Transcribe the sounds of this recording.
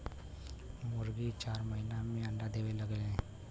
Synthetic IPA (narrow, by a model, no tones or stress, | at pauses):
mʊɾɡit͡ʃaːɾmɐɦinamẽɐ̃ɳɖad̪eːʋelɐɡeɦɛ̃ː